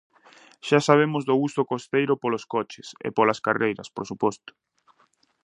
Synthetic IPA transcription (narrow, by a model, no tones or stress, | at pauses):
ʃasaβ̞emʊzðʊust̪ʊkost̪ejɾʊpoloskɔt͡ʃɪsɪ̰polaskarejɾɐspoɾsupɔst̪ʊ̥